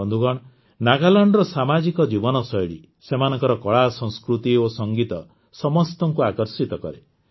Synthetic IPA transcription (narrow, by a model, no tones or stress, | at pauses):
ɔnd̪ʱuɡɔɽ̃ | naɡalɔɳɖɾɔsamad͡ʒikɔd͡ʒibɔnɔsɔjɽḭ | semanɔ̃ŋkɔɾɔkɔɭasɔ̃ŋ̃skɾut̪iosɔŋɡit̪ɔ | sɔmɔst̪ɔŋkuakɔɾsit̪ɔkɔ̰ɾe